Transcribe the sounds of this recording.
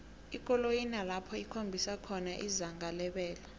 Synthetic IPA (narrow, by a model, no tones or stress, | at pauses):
ik̬ʼɔlojinalapʰɔikʰombʱisakʰɔnaʔizaŋɡalɛɓɛːla